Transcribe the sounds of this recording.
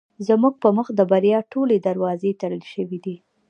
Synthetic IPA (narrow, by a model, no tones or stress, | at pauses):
zmuɡ̚pəməxd̪əbaɾjɑʈoled̪aɾwɑzet̪aɽəlʃəwid̪i